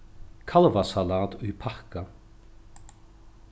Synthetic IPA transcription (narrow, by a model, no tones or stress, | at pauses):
kʰalvasalat̪ujpʰahka